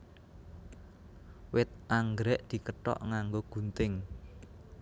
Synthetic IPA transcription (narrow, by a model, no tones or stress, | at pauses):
wɪt̪̚ʔaŋɡɾɛʔd̪̥i̤kəʈɔ̰ʔŋaŋɡoɡ̥ṳnt̪ɪŋ